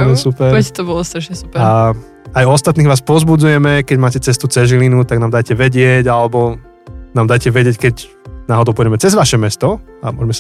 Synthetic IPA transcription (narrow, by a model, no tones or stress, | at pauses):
ɛsupɛɾɛt̪ɔbɔlˠɔst̪ɛʃɛsu̥pa | ajɔst̪at̪niːɣʋaːspɔzbud͡zujɛmɛkɛɟmaːcɛt͡sɛst̪ut͡sɛʒilinut̪aɡnaːmd̪ajcɛʋɛɟɪɛɟalɛbɔ | naːmd̪ajcɛʋɛɟɪɛckɛɟ | naɦɔd̪ɔʊpiːɟɛmɛt͡sɛzʋaʃɛmɛst̪ɔamʊɔ̰ʒmɛs